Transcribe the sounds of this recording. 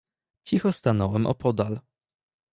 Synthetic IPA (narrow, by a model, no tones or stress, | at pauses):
t͡ɕixɔst̪anɔwɛmʔɔ̰pʰɔd̪al